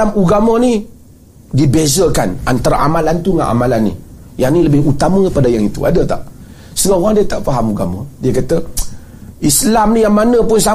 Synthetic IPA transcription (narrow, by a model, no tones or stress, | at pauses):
amuɡamani | dibezəkana̰nt̪aɾa̰ʔamalant̪uŋa̰nʔa̰malanːḭ | janiləbɪɦut̪amə̃padajaŋit̪ṵa̰dat̪a̰ʔ | səɡaoɾaŋdiət̪aʔfaɦamuɡa̰madiakat̪ə | islamnijaŋmanə̃pʊns̬a